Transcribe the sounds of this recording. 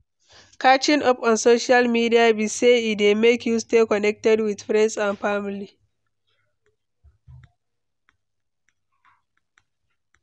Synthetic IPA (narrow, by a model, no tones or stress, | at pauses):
kat͡ʃɪnʔɔpɔnsoːʃialmidiabiseidemekjustekɔnɛk̚tɛdwɪdfɾɛnsãnɸamli